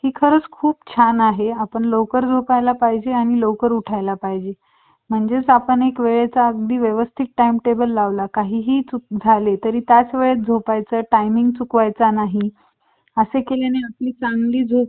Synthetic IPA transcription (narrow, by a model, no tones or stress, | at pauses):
hiːkʰəɾəːt͡skʰuːpt͡ɕʰanaɦeapəɳlokəɾd͡zʱopajlapaɦid͡ʑeaɽ̃ilowkəɾuʈʰajlapaɦid͡ʑe | m̤əɳd͡zet͡sapəɳekʋeɭat͡saəɡd̪iːʋjeʋəst̪ʰik̚ʈajmʈebəlːaʋlakaɦiːɦiːt͡suk̚d͡zʱalet̪əɾiːt̪jat͡sʋeɭət͡s̚d͡zʱopajt͡səʈajmiŋɡ̚t͡sukʋajt͡sanaɦi | əsekeljaneapliːt͡saŋɡliːd͡zʱo